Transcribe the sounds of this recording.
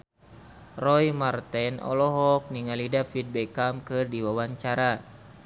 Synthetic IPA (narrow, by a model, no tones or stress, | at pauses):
rɔjmart̪ɛnɔ̰lɔɦɔk̚niŋalidafid̪̚bɛkamkɨrdiwawaɲt͡ʃaɾa